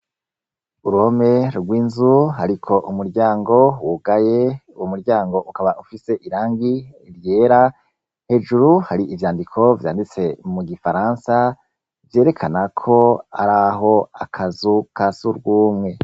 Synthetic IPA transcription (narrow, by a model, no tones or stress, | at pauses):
uɾuhome̞ɾɡwiːnzuɦaɾikʰo̞ʔumuɾɟaːŋɡo̞wuɡajeuwumuɾɟaːŋɡo̞ʔukaβaufise̞ʔiɾaːŋɡiɾje̞ːɾa | he̞d͡ʒuɾuhaɾiʔivjaːndikʰo̞vja̰ːndit͡se̞muɡifaɾaːnsa | vje̞ːɾe̞kʰanakʰo̞a̰ɾaɦo̞akʰazukʰasuɾɡuːmŋe̞